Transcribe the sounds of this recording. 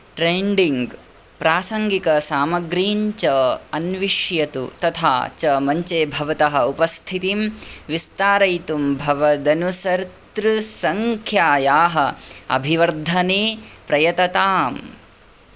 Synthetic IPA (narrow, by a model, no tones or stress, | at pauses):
ʈɾeːɳɖiŋɡ | pɾaːsɐŋɡikɐsaːmɐɡɾiːɲt͡ʃɐɐnʋiʂjɐt̪ṵt̪ɐt̪ʰa̰ːt͡ʃɐmɐɲt͡ʃeːbʱɐʋɐt̪ɐɦɐupɐst̪ʰit̪imʋist̪aːɾɐjt̪umbʱɐʋɐd̪ɐnusɐɾt̪ɾusɐŋkʰjaːjaːɦɐɐ̰bʱiʋɐɾd̪ʱɐneːpɾɐjɐt̪ɐt̪aːm